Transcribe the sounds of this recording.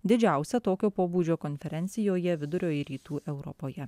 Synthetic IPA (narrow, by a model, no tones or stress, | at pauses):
d̪ʲɪd͡ʒʲæˑʊsʲɛt̪oːkʲoːpoːbuːd͡ʒʲoːkonʲfʲɛɾʲɛnʲt̪sʲɪjoːjɛʋʲɪd̪ʊɾʲoːjɾʲiːt̪uːʔɛʊɾɔ̰poːjɛ